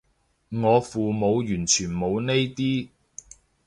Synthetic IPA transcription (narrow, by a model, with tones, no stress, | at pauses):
ŋɔː˨˧fuː˨mo˨˧wjyː˨˩nt͡ʃʰyː˨˩nmo˨˧wne˥jt̪iː˥